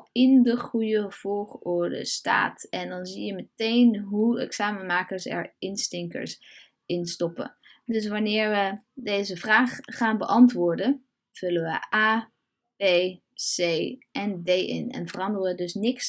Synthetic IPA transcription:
ɪndəχrujəv̥ɔːlχɔɹdə̰sta̰ːtɛndɑnzijəmətejnɦuɛ̰ksaːmənmaːkəɹsɛ̰ɹɪnstɪŋkə̰ɹs | ɪnstɔpə̰ | dɵs̬ʋɑnɪːɹʋədejzəvraːχːaːnbəʔɑntʋʊːɹdə | zɵləʋə̰ʔaː | pb̥ej | sejʔɛndejɪ̰nɛ̰nvərɑndərəʋədɵsnɪks

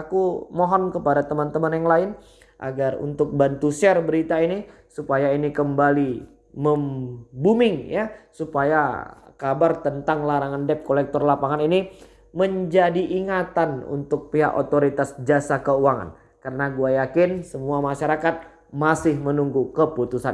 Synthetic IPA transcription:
akumɔɦɔnkəpadat̪əmant̪əmanjaŋlaɪn | ʔa̰ɡarṵnt̪ʊk̚bant̪usɛrbəɾit̪aini | supajainikəmbali | məmbumɪŋjasupajakabart̪ənt̪aŋlaɾaŋandɛp̚kolɛk̚t̪ɔrlapaŋanini | məɲd͡ʒadiʔːŋat̪anṵnt̪ʊk̚piɦa̰ʔo̰t̪oɾit̪asd͡ʒasakəuaŋa̰n | kəɾənaɡuajakɪnsəmuamaʃaɾakat̪̚ | masɪhmənuŋɡukəput̪usan

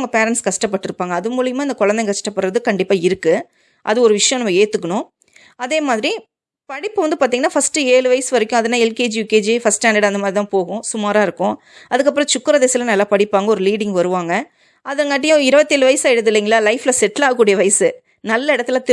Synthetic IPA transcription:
ŋɡɐpeːɾɛɳʈskɐʂʈɐpːɐʈːɯɾɯpːaːŋɡɐːðɯmuːɭɪjɯmaːɪnd̪ɐkɔɻɐnd̪ɛŋkɐʂʈɐpːɐɽɾɐðɯkɐɳɖɪpːaːɪɾɯkːɯ | ʔɐ̰ðɯɔɾɯʋɪʂɐjɔ̃nɐmːɐeːt̪ːɯkːɐɳʊ̃ | ɐðeːmaːðɪɾi | pɐɽɪpːɯʋɐnd̪ɯpaːɾt̪iŋɡɐnaːfɐsʈɯeːɭɯʋɐjɐsɯʋɐɾɛkʲːʊ̃ɐðɐnːaːɛlkeːd͡ʒjuːkeːd͡ʒifɐsʈɛːneɽɐnd̪ɐmaːdɾit̪ãːpoːɣʊ̃sʊmaːɾaːɪɾɯkːʊ̃ | ɐðɯkːɐp̬ːɾɔ̃t͡ʃʊkːɯɾɐðeːsɪlɐnɐlːaːpɐɽɪpːaːŋɡɐɔɾɯliːɽɪŋɡʋɐɾɯʋaːŋɡɐ | ɐðɐŋɡɐːʈ̬ːɪjʊ̃ɪɾɯbɐt̪ːɪelɯʋɐjɐsaːɪɽɯðɯlːiːŋɡɐlːaːlɐɪflɐsɛʈːlaːɣɐkːuːɽɪjɐʋɐjɐsɯ | nɐlːɐɪɽɐt̪ːɯlt̪ɪ

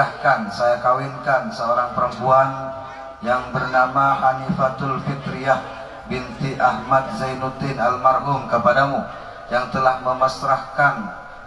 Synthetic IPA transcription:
ahkansajakawinkansəoɾaŋpəɾəmpuan | jaŋbərnamahanifat̪ulfit̪ɾiah | bint̪iʔahmat̪̚zajnut̪ɪnalmarɦʊmkəpadamu | jaŋt̪əlahməmasɾahkan

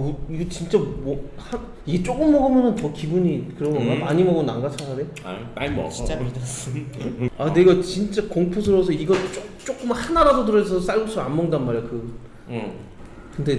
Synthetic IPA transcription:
iɡʌt͡ɕint͡ɕ͈amʌha | iɡet͡ɕ͈ok͈ɯmːʌɡɯmjʌnɯntʌkibuɲikɯɾʌmʌamaɲimʌɡonaŋɡat͡ɕʰanadej | a̰ia | ane̞ɡat͡ɕint͡ɕ͈akoŋpʰosʰɯɾosʰʌiɡʌt͡ɕ͈ot͡ɕ͈ok͈ɯmhanaɾadotɯɾʌesʰʌs͈aɭɡosʰʌanmʌŋdanmaɾejkɯ | kɯnde̞

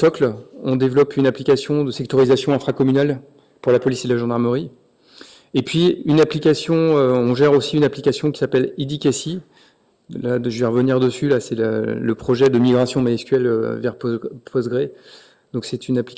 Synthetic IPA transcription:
sɔklɔ̃d̪evlɔpʰynaplikʲasjɔ̃d̪əsɛk̚t̪ɔʁizasjɔ̃ɛ̃fχakɔmynal | puʁlapɔliselaʒɑ̃d̪aʁməʁi | epɥiynaplikʲasjɔ̃øɔ̃ʒɛʁosiynaplikʲasjɔ̃kʲi̥sapɛlid̪ikʲasi | laʒəvɛʁəvəniʁd̪əsylasɛlləpχɔʒɛd̪əmiɡʁasjɔ̃maɛskʲɥɛlø̰vɛʁppʰɔsɡʁe | d̪ɔ̃ksɛt̪ynapli

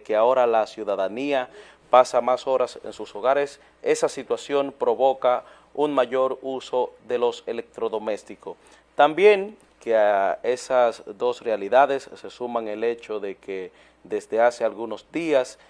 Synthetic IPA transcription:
keao̞ɾalasjuðaðania | pasamaso̞ɾasḛnsuso̞ɣaɾes | e̞sasit̪wasjo̞npɾo̞βo̞ka | unmaʝo̞ɾuso̞ðe̞lo̞se̞lek̚t̪ɾo̞ðo̞me̞st̪iko | t̪ambje̞ŋ | keaesasðo̞srealiðaðe̞sːesumaŋe̞le̞t͡ʃo̞ðe̞ke | ðezðe̞ase̞alɣuno̞zd̪ias

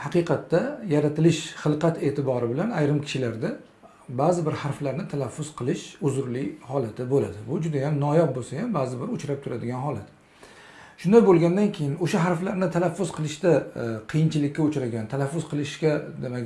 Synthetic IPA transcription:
hɑqɨqʰɑt̪ːajaɾat̪ʰɪlɪʃχɨlˠqɑt̪e̞ːt̪ʰɪbɒɾɪbɪlanajɾɪmkʲʰɪ̥ʃɪlaɾd̪a | bazɪbɪɾhaɾflaɾnɪt̪ʰalafːʊz̥qʰɨlˠɪʃʊzʊɾlɪhɒlat̪ʰɪbola̰d̪ɪbʊd͡ʒʊd̪ajamnɒjap̚bolsajambazɪbɪɾʊt͡ʃɾap̚t̪ʰʊɾad̪ɪɡʲanɦɒlat̪ | ʃʊnd̪ajbolˠɡʲand̪ankʲʰe̞jɪnoʃaɦaɾflaɾnɪt̪ʰalafːʊz̥qʰɨlˠɪʃt̪aqʰɨjɪnt͡ʃʰɪlɪkʲːaʊt͡ʃɾaɡʲant̪ʰalafːʊzqʰɨlˠɪʃkʲad̪ema

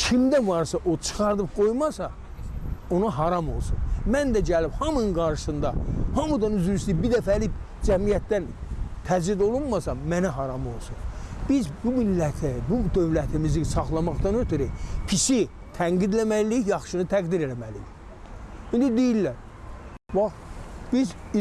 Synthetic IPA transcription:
kʰimd̪ævɑɾsɑʔo̞t͡ʃʰɯ̥xɑɾd̪ɯp̚ɡ̥o̞jmɑsɑ | o̞nɑɦɑɾɑmo̞̰lˠsunmænd̪æɟælibhɑmɯnɡɑɾʃɯ̥sɯnd̪ɑhɑmud̪ɑnyzyɾysibiɾd̪æfælib | d͡ʒæmijæt̪d̪ænt̪ʰæd͡ʒid̪o̞lˠunmɑsɑmmænæɦɑɾɑmo̞̰lˠsunb̥izbumilːæt̪ʰibud̪ø̞vlæt̪ʰimizisɑχlˠɑmɑχt̪ɑnøt̪ʰyɾipʰiʃi | t̪ʰæŋɡid̪læmælijɑχʃɯnɯt̪ʰæɡd̪iɾelæmælḭji | ind̪id̪ejilːæɾ | vɑχb̥iz

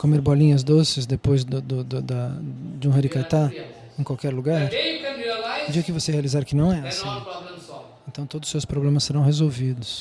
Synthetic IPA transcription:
komeɾbɔlĩɲɐzd̪osɪzd̪epojzd̪ʊd̪ʊd̪ʊd̪ɐd͡ʒɪũɦɐɾikat̪a | ẽkwawkɛɾluɡaɾ | d͡ʒiɡɐkɪvosehealizaɾkɪnɐ̃w̃ɛasĩ | ẽnt̪ɐ̃w̃t̪od̪ʊsewspɾoblẽmɐseɾɐ̃w̃ɦezowvid̪ʊs

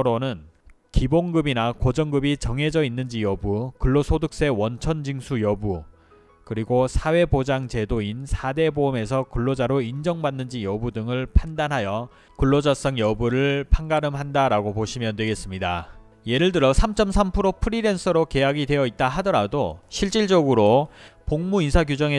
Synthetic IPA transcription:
ɾonɯn | kiboŋɡɯbinakod͡ʑʌŋɡɯbit͡ɕʌŋɦe̞d͡ʑʌinːɯnd͡ʑijʌbukɯɭːosʰodɯk̚s͈e̞wʌnt͡ɕʰʌnd͡ʑiŋsʰujʌbu | kɯɾiɡosʰawe̞bod͡ʑaŋt͡ɕe̞doinsʰade̞bome̞s̬ʰʌkɯɭːod͡ʑaɾoind͡ʑʌŋbanːɯnd͡ʑijʌbudɯŋɯɭpʰandanɦajʌ | kɯɭːod͡ʑas͈ʌŋjʌbuɾɯɭpʰaŋɡaɾɯmɦandaɾaɡopoɕʰimjʌndwe̞ɡe̞s͈ɯmɲida | je̞ɾɯɭtɯɾʌsʰamt͡ɕ͈ʌmsʰampʰɯɾopʰɯɾiɾe̞nsʰɯɾoke̞jaɡidwe̞jʌit̚t͈aɦadʌɾadoɕʰiɭt͡ɕ͈iɭd͡ʑʌɡɯɾopoŋmuinsʰaɡjud͡ʑʌŋe

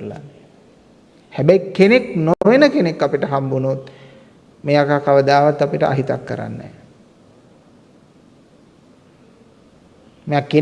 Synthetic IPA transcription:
la̰n | hæbæjkːeneknoʋenəkenekːapiʈəɦambunut̪ | meːakakaʋəd̪aːʋat̪ːapiʈəʔa̰ɦit̪a̰kːə̰ɾa̰nːɛ̰ː | mejake

